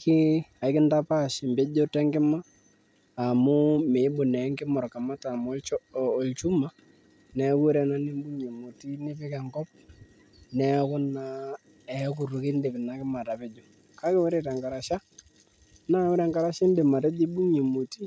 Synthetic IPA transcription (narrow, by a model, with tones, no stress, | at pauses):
kɪ˦a˨ɪ˦kɪ˦nda˦pa˦˨ʃɪ˨mbe˦d͡ʒo˦tɛ˦ŋɡɪ˦maː˦˨ | mʊ˦me˨ɪ˦bʊ˨nɛ˨˦ŋkɪ˦mɔ˨rka˨ma˦ta˨m˦ɔ˨lt͡ʃu˦ma˨ | nɛ˨˦kʊ˦ɾɛ˨na˦nɪ˦mbu˦ɲe˨mu˨ti˦nɪ˦pɪ˦kɛ˨ŋkɔ˦p̚ | nɛ˦kʊ˦na˨ | ɛ˨˦k̬ʊ˨rʊ˨kɪ˦ndɪ˨pɪ˨na˨kɪ˦ma˨ta˨pɪ˦d͡ʒo˨ | ka˦kɪ˦wʊ˦ɾe˦˨ta˨ŋka˨ɾa˨ʃa˦ | na˦wʊ˦ɾɛ˦ŋɡa˦ɾa˦ʃɪ˦ndɪ˨ma˨tɛ˦d͡ʒɪ˦bu˦ɲe˨mu˨ti˦